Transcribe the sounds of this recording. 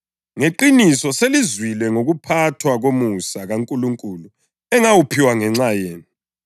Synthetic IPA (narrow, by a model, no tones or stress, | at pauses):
ŋeǃinisɔselizwilɛŋoɣupʰatʰwaɣomusaɣaŋkʼuluŋkʼulu | ɛŋawupʰiwaŋɛŋ͡ǁajeːni